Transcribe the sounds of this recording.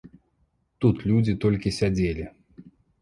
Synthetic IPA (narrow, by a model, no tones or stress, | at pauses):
t̪ut̪lʲud͡zʲit̪ɔlʲkʲisʲad͡zʲelʲi